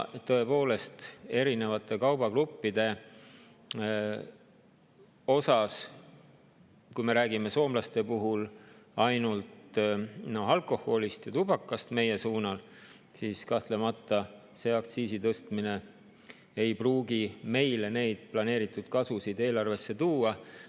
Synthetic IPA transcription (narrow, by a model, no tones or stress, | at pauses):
t̪ɤ̞e̞po̞ːle̞st̪e̞ɾine̞vɑt̪ːˑe̞kɑwb̥ɑkrupːid̪̥e̞ | o̞sɑs | kujme̞ɾæːɡime̞so̞ːmlɑst̪e̞puɦulɑjnult̪noɑlkˑo̞hːo̞list̪jɑt̪ubɑkːˑɑst̪me̞je̞suːnɑl | siːskɑht̪le̞mɑt̪ːˑɑ | se̞ɑkt̪siːsit̪ɤst̪mine̞ | ejpruːɡime̞jle̞ne̞jd̪̥̚plɑne̞ːɾit̪ːˑud̪̥kɑsusid̪e̞ːlɑrve̞sːe̞t̪uːɑ